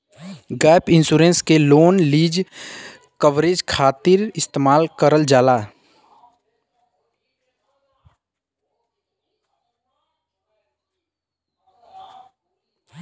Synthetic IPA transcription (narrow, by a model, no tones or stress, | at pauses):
ɡaːpɪ̃nsuːɾẽnskeloːnliːd͡ʒ | kəʋɾeːd͡ʒkʰaːt̪ɪɾɪst̪eːmaːlkəɾəld͡ʒaːlaː